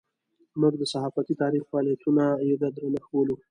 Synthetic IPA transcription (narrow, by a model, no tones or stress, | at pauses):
muɡd̪əsaɦɑfat̪it̪ɑɾixwɑlijat̪ʰunajed̪ad̪ɾanaxbolu